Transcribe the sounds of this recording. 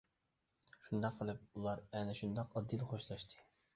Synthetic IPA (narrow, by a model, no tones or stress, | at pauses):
ʃund̪ɑqqʰːəlˠɨp̚ulˠɑɾɛnɪʃund̪ɑqɑd̪ilˠχoʃlˠɑʃt̪ʰɨ̥